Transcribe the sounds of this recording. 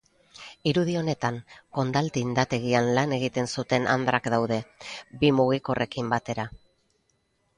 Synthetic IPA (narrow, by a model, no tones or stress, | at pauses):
iɾuð̞io̞ne̞t̪aŋko̞nd̪alt̪iːnd̪at̪e̞ɣ̞ianlane̞ɣit̪e̞nsut̪e̞nʔa̰nd̪ɾakd̪awðe̞bimuɣ̞iko̞rʔe̞kimbat̪e̞ɾa